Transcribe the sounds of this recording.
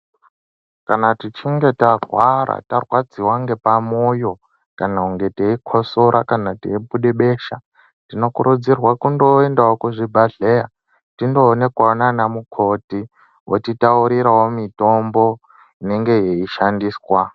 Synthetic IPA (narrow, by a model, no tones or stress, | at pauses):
kanatit͡ʃiŋɡe̞taɡʱwaɾa̰tarwad͡ziwaŋɡe̞pamojo̞ | kanauŋɡe̞teikʰosoɾʔa̰kanateibuɗeɓe̞ːʃa | tino̞kuɾud͡zirwakundo̞endawokuʐibʱaɮeja | tindo̞ːne̞kwananamukʰo̞ti | wʔo̰titauɾiɾawo̞mito̞mbo̞ | ine̞ŋɡe̞jeiʃandiːswa